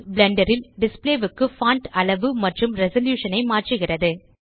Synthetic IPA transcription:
blɛɳɖɐɾɪlɖɪspleːʋɯkːɯfaːɳʈɐɭɐʋɯmɐʈrɯmɾɛsɐljuːʂɐnɐɪmaːʈrɯɣɪrɐðɯ

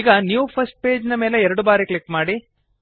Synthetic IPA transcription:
iːɡɐnjːʋupʰɐsʈ̚pe̞ːd͡ʒnɐmeːleɛɾɐɽubaːɾiklikmaːɽi

